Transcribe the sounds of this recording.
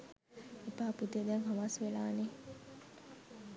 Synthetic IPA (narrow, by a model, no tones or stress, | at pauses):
epaːput̪ed̪ɛŋkaʋasʋelaːne